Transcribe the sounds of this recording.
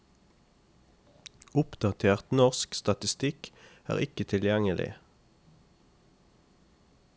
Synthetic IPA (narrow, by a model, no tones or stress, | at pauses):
ʊpd̪̥ɑt̪ʰeːʁt̪nɔʁskst̪ɑt̪ɪst̪ɪkæ̰ːʁɪkət̪ʰɪljæŋəlɪ̰